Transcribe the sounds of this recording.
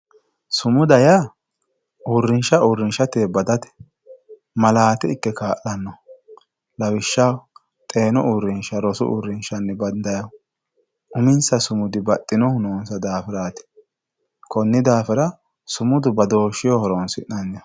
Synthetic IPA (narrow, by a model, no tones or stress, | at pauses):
sʊmʊd̪ɐja | ʔuɾːɪnʃɐuɾːɪnʃɐt̪eːbɐd̪ɐt̪ɛ̥ | mɐlaːt̪ɪɪkːɛkaːʔlɐnːɔ | lɐwɪʃːaw | t̪ʼe̞ːnɔʔuɾːɪnʃɐɾɔsʊ̰ʔṵːɾːɪnʃɐnːɛbɐnd̪ɐjɐw | ʔʊmɪnsɐsʊmʊd̪ɪbɐt̪ʼːɪnɔhʊnoːnsɐd̪aːfɪɾaːt̪ɪ̥ | kɔnːɪd̪aːfɪɾɐ | sʊmʊd̪ʊbɐd̪oːʃɪjɔhɔɾoːnsɪ̰ʔɐnːɔ